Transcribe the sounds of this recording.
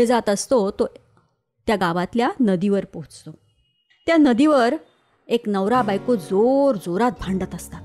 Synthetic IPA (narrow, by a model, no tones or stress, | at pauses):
ed͡zat̪əst̪ot̪o | t̪jaɡaʋat̪ljanəd̪iʋəɾpoɦut͡st̪o | t̪janəd̪iʋəɾ | eknəʋɾabajkod͡zoɾd͡zoɾat̪̚bʱaɳɖət̪əst̪at̪